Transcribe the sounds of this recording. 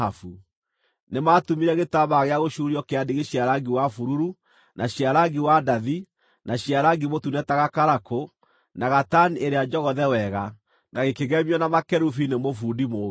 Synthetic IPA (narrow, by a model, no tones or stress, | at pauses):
afu | nematumiɾɛɣetaβaɣeaɣoʃuɾiɔkeadeɣeɕiaɾaɡiwafuɾuɾu | nʔaɕiaɾaɡiwadaði | naɕiaɾaɡimotunɛtaɣakaɾako | naɣatanieɾead͡ʒɔɣɔðɛwɛɣa | naɣekeɣɛmiɔnamakɛɾufinemofuːdimo